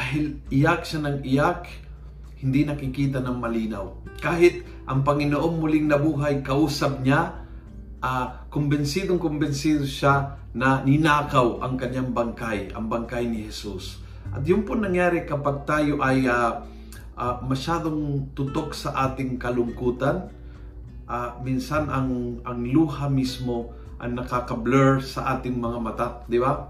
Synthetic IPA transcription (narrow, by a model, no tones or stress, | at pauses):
aɦɪlʔɪjak̚ʃanɐŋɪjak̚ | hɪnd̪inɐkɪkiːt̪̬anɐŋmɐliːnawkaːɦɪt̪̚ | ʔɐŋpɐŋɪnoʔomːʊlɪŋnɐbuːɦajkɐʔuːsɐb̚ɲa | ʔakʊmbɛnsiːd̪oŋkʊmbɛnsiːd̪oʃa | nɐnɪnaːkawʔɐ̰ŋkɐɲːaŋbaŋkajɐ̰ŋbaŋkajnɪhɛsus | ʔɐ̰t̪jʊmpʊnɐŋjaːɾɪkɐpaɡ̚t̪aːjoʔɐja | ʔamɐʃaːd̪oŋt̪ʊt̪ok̚sɐʔaːt̪ɪŋkɐlʊŋkuːt̪an | ʔaːminsanɐŋɐŋluːhamismo̞ | ʔɐ̰jnɐkakɐblɛɹsɐ̰ʔaːt̪ɪŋmɐŋamɐt̪ad̪ɪba